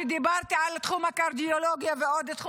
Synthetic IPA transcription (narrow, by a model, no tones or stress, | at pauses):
d̪ibaʁt̪iʕalt̪χumhakaʁd̪ioloɡjaveod̪t̪χ